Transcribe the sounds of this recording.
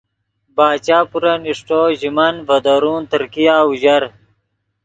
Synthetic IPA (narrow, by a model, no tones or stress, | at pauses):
baːt͡ɕaːpuɾɐniʂʈoːʑimɐnvɐd̪oɾuːnt̪əɾkijaːuʑɐɾ